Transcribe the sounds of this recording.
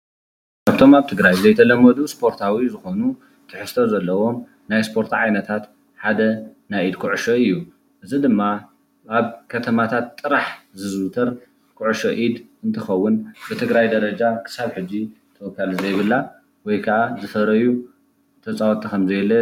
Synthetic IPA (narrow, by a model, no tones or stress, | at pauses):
kʰaβt̪ʰo̞maβt̪ʰɨɡɾajzɐjt̪ʰɐlɐmːɐd̪uspʰo̞ɾt̪ʰawizɨxo̞nu | t̪ʰɨħɨst̪ʰozɐlːɐwo̞m | najspʰo̞ɾt̪ʰʕajnɐt̪ʰat̪ | ħad̪ɐnajʔid̪kʰuʕɨʃoɨjːu | ʔɨzid̪ɨmːa | ʔaβkʰɐt̪ʰɐmat̪ʰat̪ʼːɨɾaħzɨzt̪ʰɐɾ | kʰʊʕʃoʔid̪ | ɨnt̪ʰɨxɐwːʊnbɨt̪ʰɨɡɾajd̪ɐɾɐd͡ʒakʰɨ̥saβħɨd͡ʒːi | t̪ʰɐwɔkʰːalɨzɐjβɨlːa | wɔjkʰɐʔazɨfɐɾɐju | t̪ʰɐt͡sʼawt̪ʰʼikʰɐmzɐjlːɐ